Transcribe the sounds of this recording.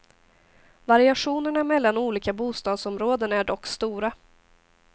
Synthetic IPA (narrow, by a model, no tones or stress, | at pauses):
vaɾɪaɧuːnəɳamɛlːanuːliːkabuːst̪ɑːd̪sɔmɾoːd̪ənæɖɔkːst̪uːɾa